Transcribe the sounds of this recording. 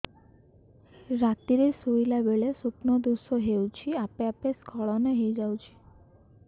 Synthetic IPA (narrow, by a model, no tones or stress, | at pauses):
ɾat̪iɾesojlabeɭesupnɔd̪usɔɦewt͡ʃʰiapeapeskʰɔɭɔneɦejd͡ʒawt͡ʃʰi̥